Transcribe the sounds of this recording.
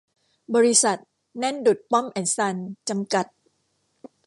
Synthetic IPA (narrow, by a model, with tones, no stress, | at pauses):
bɔː˧ɾi˦˥sa˨˩t̪̚ | nɛ˥˨ndu˨˩t̪̚pɔ˦˥˨mʔɛ˨˩nsa˧nt͡ɕa˧mka˨˩t̪̚